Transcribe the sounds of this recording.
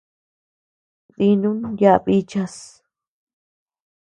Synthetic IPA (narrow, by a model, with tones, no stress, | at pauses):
ði˧nũ˦nja˦ʔβi˦t͡ʃa˧s